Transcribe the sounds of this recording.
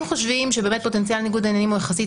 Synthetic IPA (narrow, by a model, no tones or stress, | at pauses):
mχoʃvimʃebeːmet̪̚po̞tent͡sjalniɡud̪enjanimojaxasit